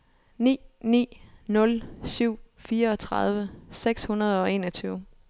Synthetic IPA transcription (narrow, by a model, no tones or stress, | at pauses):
nḭːnḭːnɔ̽lsyʊ̰ | fiːɐɒ̽t͡sʰʁɑð̞ˠʋəseɡ̥shunɐðˠɒ̽e̝̰ːnɒt͡sʰyːʊ